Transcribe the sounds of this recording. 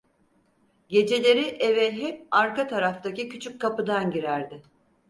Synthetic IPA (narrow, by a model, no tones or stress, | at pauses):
ɟe̞d͡ʒe̞lʲe̞ɾiʔevɛɦɛp̚aɾkat̪ʰaɾaft̪acicʰyt͡ʃʰyc̚kʰːapɯd̪anɟiɾæɾd̪ɪ